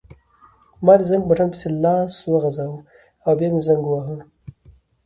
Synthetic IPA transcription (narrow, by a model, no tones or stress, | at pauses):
mɑd̪izaŋɡ̚baʈʰanpə̥selɑswəɣazaw | awbjɑmezaŋɡwaɦə